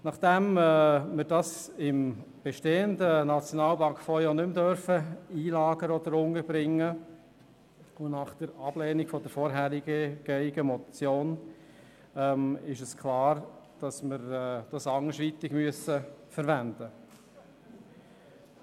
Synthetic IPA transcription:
nɑχd̪̥ɛmɛmɪɾd̥ɑsɪm | b̥eʃteːəndənɑt͡sjonɑːlbɑŋkfɔjonʏmd̪øɾfəiːlɑːɡ̥əɾɔd̪əɾʊŋəɾb̥ɾɪŋːə | ʊnɑχd̥əɾɑb̥leːnɪɡ̥fɔdəɾfɔɾɦæɾɪɡəɡ̥ɛɪɡ̥əmɔt͡sjoːn | ɛmɪʃəskʰlɑːɾd̥ɑsmɪɾd̥ɑsɑŋəʃʋit̪ɪɡmyəsəfəɾvænd̥̪ə

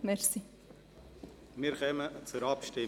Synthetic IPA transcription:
mɛɾsi | miɾkœmət͡sʊɾɑpʃtɪ

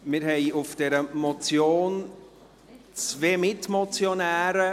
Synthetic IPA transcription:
mɪɾɦɛɪʊfd̥ɛɾəmɔt͡sjoːn | t͡sveːmɪtmɔt͡sjonæːɾə

